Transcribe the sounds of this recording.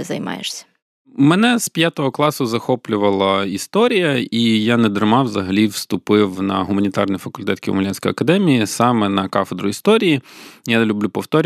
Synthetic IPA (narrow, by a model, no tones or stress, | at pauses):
ɪzɐ̰jmɑ̰jḛʂsʲɐ̥ | mɛnɛspʲjat̪ɔɦɔklˠɑsʊzɐxɔplʲʊʋɐlˠɐist̪ɔɾʲijɐijaned̪ɾmɑʋzɐɦɐlʲiwst̪ʊpɪwnɐ̰ɦʊmɐnʲit̪ɑrnɪjfɐkʊlʲt̪ɛt̪kʲḭwmʊlʲɛnʲsʲkɔ̰jɐ̰kɐd̪ɛmʲijisɑmɛnɐkɑfed̪ɾʊist̪ɔɾʲijijalʲʊblʲupɔwt̪ɔɾʲ